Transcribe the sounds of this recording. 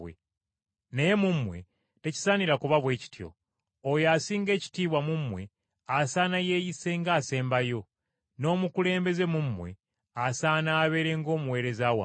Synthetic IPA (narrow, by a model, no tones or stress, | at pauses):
wḛ | neje̞mumwe̞ | te̞ci̥saniɾakuβaβwe̞ːci̥tjo̞̰ | ojaːsiːŋɡe̞ːci̥tiːβwamumwe̞ | asaːnaje̞ːjise̞ŋɡaːse̞ːmbajo̞ | no̞ːmukule̞ːmbe̞ze̞mumwe̞̰ | asaːnaːβe̞ɾe̞ŋɡo̞ːmuwe̞ːɾe̞zaːwa̰